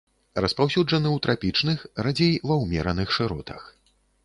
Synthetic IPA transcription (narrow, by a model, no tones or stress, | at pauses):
rɐspawsʲud͡ʐɐnɨwt̪ɾʔapʲit͡ʂnɨxrad͡zʲejvɐwmʲɛɾɐnɨxʂɨɾɔt̪ɐ̰x